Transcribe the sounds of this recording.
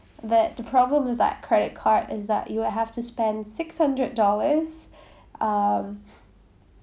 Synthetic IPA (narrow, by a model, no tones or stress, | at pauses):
ðɨtðəpʰɹ̥ɑblə̃mʌvðə̰t̚kʰɹ̥ɛɾɨt̚kʰɑɹɾɪzðə̰t͡ʃɨwədɦæftʰɨspɛ̃nd̥sɪkshʌ̃ndɹɨdɔlˠə˞z̥ | ʌ̃m